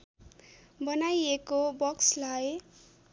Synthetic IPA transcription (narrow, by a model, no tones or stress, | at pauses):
bʌnajekobʌkslaj